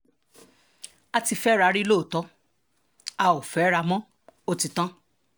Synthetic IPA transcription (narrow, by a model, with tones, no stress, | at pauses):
a˧ti˧fɛ˦ɾa˧ɾi˦lo˦˨tɔ˦ | a˧o˨fɛ˨˦ɾa˧mɔ̃˦ | o˦ti˧tã˦